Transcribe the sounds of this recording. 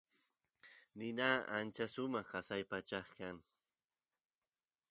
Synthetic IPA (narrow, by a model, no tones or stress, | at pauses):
nɪnaːant͡ʃasʊmɑχɢɑsajpat͡ʃɑχkaŋ